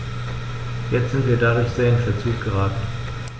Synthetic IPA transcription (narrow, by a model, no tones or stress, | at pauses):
jɛt͡stz̥ɪntv̥iːɐdadʊɐçz̥eːɐɪnfɛɐt͡suːk̚ɡ̥əʁaːtn̩